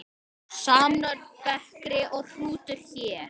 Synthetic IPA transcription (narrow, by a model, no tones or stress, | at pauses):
saːmnœɾpɛhkɾɪʔɔɣr̥uːt̪ʏɾ̥çɛːɾ̥